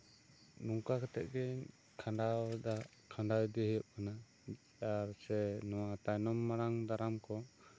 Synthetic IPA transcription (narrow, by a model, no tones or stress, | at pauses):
nuŋkakɛt̪ɛʔ̪̚ˀɡɛɲ | kʰaɳɖawd̪a | kʰãɳɖawd̪ɛɦɛjuʔ̚kana | aɾsɛnɔwat̪ajnɔmːaɽaŋd̪aɾamkɔ